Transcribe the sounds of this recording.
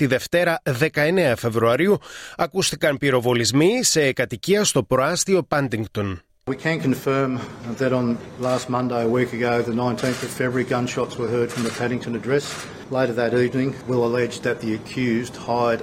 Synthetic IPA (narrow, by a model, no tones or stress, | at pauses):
t̪iðe̞ft̪e̞ɾɐðe̞kɐe̞ne̞ɐfe̞vɾuɐɾiuɐkust̪ikɐmpiɾo̞vo̞lizmise̞kɐt̪iciɐst̪o̞pɾoɐst̪io̞pɐnd̪iŋɡt̪on | wikʰɨ̃nkʰɨ̃ɱfɜ̃˞mðɨɾn̩læst̚mʌ̃ndeɪəwikɨɡoʊðɨnãɪ̃ntʰĩnθʌv̥fɛbɹiɡʌ̃nʃɑtswə˞ɦɜ˞d̥fɹʌ̃mðəpʰæɾɪ̃ŋtʰɨ̃nɨdɹɛs | leɪɾə˞ðɨɾivnɪ̃ŋwɪlˠəlɛd͡ʒðɨt̪̚ðiɨkʰj̥ʉzd̥haɪɾ